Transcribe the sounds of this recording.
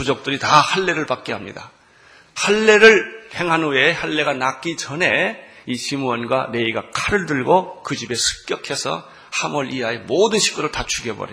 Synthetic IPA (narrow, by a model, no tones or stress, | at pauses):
kud͡ʑok̚t͈ɯɾitahaɭːe̞ɾɯɭpak͈̚eɦamɲḭda̰ | haɭːe̞ɾɯɭhe̞ŋɦanɯnweːhaɭːe̞ɡanak͈id͡ʑʌne̞iɕʰimuʌnɡwane̞iɡakʰaɾɯɭdɯɭɡokɯd͡ʑibe̞sʰɯ̥k̚k͈jʌkʰe̞sʰʌ̰ | hamʌɾʔiaemodɯnɕʰi̥k͈uɾɯɭtat͡ɕʰuɡjebʌ̰ɾḭ